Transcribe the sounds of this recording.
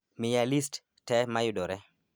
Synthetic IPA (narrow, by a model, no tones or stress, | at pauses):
mɪjalist | tɛmajʊdɔɾɛ